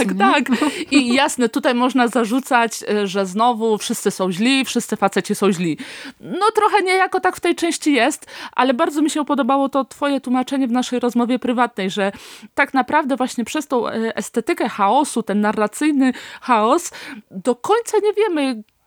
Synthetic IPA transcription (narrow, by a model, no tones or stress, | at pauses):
kt̪akijasnɛt̪ut̪ajmɔʐnazaʐut̪sat͡ɕʐɛznɔvufʂɘst̪sɘsɔ̃w̃ʑlʲifʂɘst̪sɘfat̪sɛt͡ɕɛsɔ̃w̃ʑlʲinɔt̪ɾɔxɛɲɛjakɔt̪akft̪ɛjt͡ʂɛ̃w̃ɕt͡ɕijɛst̪ʔa̰lɛbaɾd̪ɔmʲiɕɛupɔd̪ɔbawɔt̪ɔt̪fɔjɛt̪wumat͡ʂɛɲɛvnaʂɛjɾɔzmɔvʲjɛpɾɘvat̪̚nɛjʐɛt̪aknapɾavd̪ɛvwaɕɲɛpʂɛst̪ɔ̃w̃ɛst̪ɛt̪ɘkɛxaɔsut̪ɛnːarːat̪sɘjnɘxaɔsd̪ɔkɔɲt̪saɲɛvʲjɛmɘ